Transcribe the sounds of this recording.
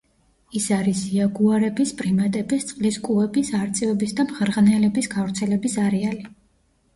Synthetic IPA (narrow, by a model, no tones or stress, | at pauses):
isaɾisiaɡuaɾɛbispʼɾimat̪ʼɛbist̪sʼqʼliskʼuɛbisaɾt̪sʼɛvɛbisd̪amχɾʁnɛlɛbisɡavɾt̪sʰɛlɛbisaɾɛali